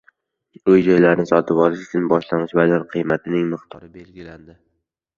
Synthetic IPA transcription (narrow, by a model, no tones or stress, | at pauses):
ʊjd͡ʒɒjlaɾnɪsɒt̪ʰɪpɒlˠɪʃɪt͡ʃ̪ɪnbɒʃlanɪʃbad̪aɾqʰɨjmat̪ʰɪnɪŋmɨχt̪ʰɒɾɪbelɡʲɪland̪ɪ